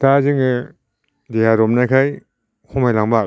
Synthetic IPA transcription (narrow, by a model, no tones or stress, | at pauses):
tazɯŋɯ | dejaɾɔmnajkʰaj | kʰɔmajlaŋba